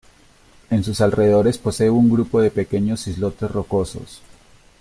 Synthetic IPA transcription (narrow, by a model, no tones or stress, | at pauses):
e̞nsusalre̞ðeðo̞ɾe̞spo̞se̞uŋɡɾupo̞ðe̞pe̞ke̞ɲo̞sizlo̞t̪e̞sro̞ko̞so̞̰s